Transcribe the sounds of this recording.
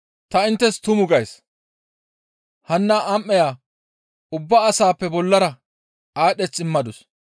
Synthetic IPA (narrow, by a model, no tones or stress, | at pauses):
t̪ɐɪnt̪ːɛst̪ʊmʊɡɐjs | hɐnːaʔamːɛjaː | ʊbːaːsaːpːɛbɔlːɐɾɐ | aːɗɛt͡sʼːɪmːɐd̪ʊs